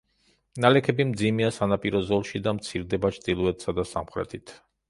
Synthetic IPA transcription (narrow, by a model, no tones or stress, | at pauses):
nalɛkʰɛbimd̪zimiasanapʼiɾɔzɔlˠʃid̪amt̪sʰiɾd̪ɛbat͡ʃʰd̪ilˠuɛt̪ʰsad̪asamχɾɛ̰t̪ʰit̪ʰ